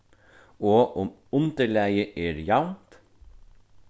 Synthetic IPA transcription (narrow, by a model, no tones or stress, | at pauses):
oːʔʊm | ʊnt̪əɭæɪəʔeːɾjɑʊnt̪